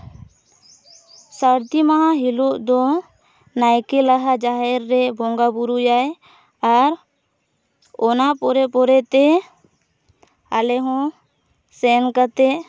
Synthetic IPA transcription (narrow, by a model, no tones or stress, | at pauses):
saɾt̪imaɦãɦilɔʔd̪ɔ | najkɛlaɦad͡ʒaɦɛɾːɛbɔŋɡabuɾujaj | aɾ | ɔnapɔɾɛpɔɾɛt̪ɛ | alɛɦɔ̃ | sɛnkat̪ɛʔ